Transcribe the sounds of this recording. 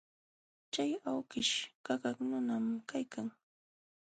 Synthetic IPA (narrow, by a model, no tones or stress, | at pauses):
t͡ʃajawkɪʃkakaknʊnamkajkaŋ